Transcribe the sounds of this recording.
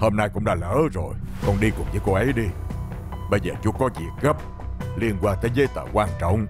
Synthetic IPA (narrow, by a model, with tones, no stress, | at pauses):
ho˧mna˧jkʊ̰˧˥ŋ͡mɗaː˧lə̰ː˧˨˦zo˨˩jkɔ˧˩nɗi˧kʊ˨˩ŋ͡mzəː˨˦jko˧˩ʔə˨˦jɗi˧ | ɓə˧jzəː˨˩t͡ɕu˨˦kɔ˨˦zḭ˨˩ək̚ɣə˦˥p̚ | li˧ənkwaː˧t̪əː˨˦jzəː˨˦jt̪ə̰ː˧˩kwaː˧nt͡ɕɔ̰˧˨wŋ͡m